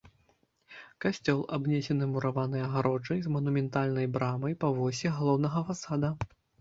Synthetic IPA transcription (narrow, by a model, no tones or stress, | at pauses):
kasʲt͡sʲɔlˠabnʲɛsʲɛnɨmuɾavanɨjɐɣaɾɔd͡ʐɐjzmɐnumʲɛnt̪alʲnɐjbɾamɐjpɐvɔsʲɛɣalˠɔwn̪ɐɣɐfasad̪ɐ